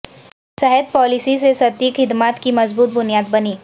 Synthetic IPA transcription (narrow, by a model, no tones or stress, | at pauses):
sɛɦɛd̪̚pɔːlɪsisesɐt̪iːkʰɪd̪maːt̪kimɐzbuːt̪̚bʊnijaːd̪̚bɐniː